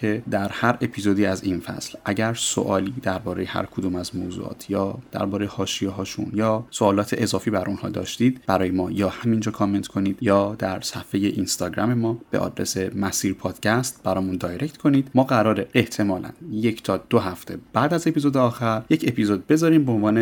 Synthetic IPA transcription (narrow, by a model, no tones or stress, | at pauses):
cʰed̪æɾhæɾʔe̞pʰiːzod̪iːæzinfæ̰slʔæɟæɾso̰ʔɒːliːd̪æɾbɒːɾejehæ̰ɾkʰod̪uːmæzmoːzṵɒ̰ːt̪ʰjɒːd̪̥æ̰ɾbɒːɾe̞jehɒːʃijeɦɒːʃṵnjɒːsoɒːlɒːt̪ʰeʔezɒːfiːbæɾʔunhɒ̰ːd̪ɒ̰ːʃt̪iːd̪b̥æɾɒːjemɒːjɒːhæmind͡ʒɒːkʰɒme̞nt̪kʰo̞niːd̪̥jɒːd̪æɾsæfe̞jeʔinst̪ɒːɟɾæ̰me̞mɒːb̥e̞̰ʔɒ̰d̪ɾḛse̞mæsiːɾpʰɒːd̪̥cʰæst̪̚b̥æɾɒːmund̪ɒːjɾe̞ct̪kʰo̞niːd̪̥mɒːɣæɾɒːɾeʔːht̪ʰe̞mɒːlʔæ̰njecʰt̪ʰɒːd̪̥oɦæft̪ʰe̞b̥æːd̪æze̞pizod̪eɒːxæɾjece̞pʰizod̪̚be̞zɒːɾiːmbeonvɒːne